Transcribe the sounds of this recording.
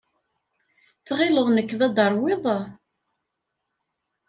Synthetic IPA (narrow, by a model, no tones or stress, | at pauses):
θʁɪləðˤnəkːðæd̪ɑɾˤwɪðˤ